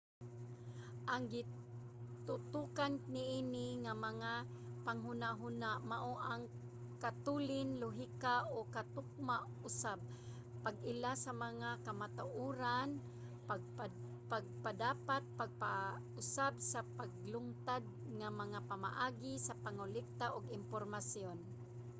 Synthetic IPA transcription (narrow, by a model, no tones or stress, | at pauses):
ʔaŋɡɪ | t̪ʊt̪ukannɪʔinɪŋamaŋapaŋɦʊnaʔɦunaʔmaʔoʔaŋ | kat̪ulɪnlʊɦikaʔokat̪ʊk̚maʔ | ʊsab̚ | paɡɪlasamaŋakamat̪aʔuɾan | paɡ̚p | paɡ̚padaːpat̪̚paɡ̚pa | ʊsabsapaɡ̚lʊŋt̪ad̪̚ | ŋamaŋapama̰ʔaːɡɪsapaŋʊlɪk̚t̪aʔʊɡɪmpoɾmasjon